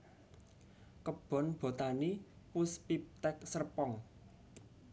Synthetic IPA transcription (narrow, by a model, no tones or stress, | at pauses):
kəb̥ɔ̤nb̥o̤t̪anipʊspip̚t̪ɛk̚sərpɔŋ